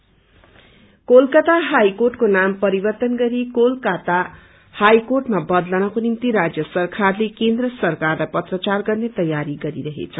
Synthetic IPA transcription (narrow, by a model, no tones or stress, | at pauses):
kolkat̪aɦajkorʈkonampʌɾibʌrt̪ʌnɡʌɾikolkat̪a | hajkorʈmabʌd̪lanʌkonimt̪iɾad͡zjʌsʌrkʰarlekend̪rʌsʌrkarlajpʌt̪rʌt͡sarɡʌrnet̪ʌjaɾiɡʌɾiɾʌɦḛt͡sʰʌ